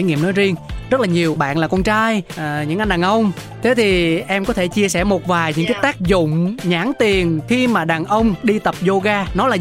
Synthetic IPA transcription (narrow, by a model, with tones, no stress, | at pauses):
ŋḭ˧˨əmno˨˦jzi˧əŋzə˦˥t̚laː˨˩ɲi˨˩əwɓa̰ː˧˨nlaː˨˩kɔ˧nt͡ɕaː˧jɲɨ̰˧˥ŋʔa˧jŋɗaː˨˩ŋʔə˧wŋ͡m | t̪ʰe˨˦t̪ʰi˨˩ʔɛ˧mkɔ˨˦t̪ʰe˧˩t͡ɕi˧əsɛ˧˩mo˨˩t̚vaː˨˩jɲɨ̰˧˥ŋkaː˨˦jt̪aː˦˥k̚zʊ̰˧˨ŋ͡mɲaː˧˥ŋt̪i˨˩ənxi˧maː˨˩ɗaː˨˩ŋʔə˧wŋ͡mɗi˧t̪ə˨˩p̚zo˧ɣaː˧nɔ˨˦laː˨˩